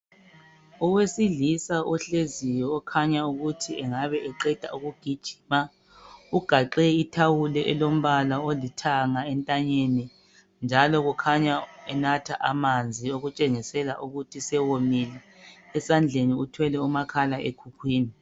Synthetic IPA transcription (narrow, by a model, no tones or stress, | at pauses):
ɔwesiɮisaʔɔɬezijɔːkʰaɲauɣutʰiɛŋaβɛʔɛǃɛd̥ʱa̰uɣuɡ̥ʱid̥ʒ̥ʱi̥ma | uɡ̥ʱaǃɛitʰawulɛʔɛlom̩βalaolitʰaŋaɛntʼaɲeni | nd͡ʒʱalɔɣukʰaɲaɛnatʰaʔamand͡zʱioɣut͡ʃʼeŋisɛlaʔuɣutʰisɛwomilɛː | sand͡ɮʱeniutʰwɛlɛumakʰalaʔeɡ̥ʰʱukʰwiːni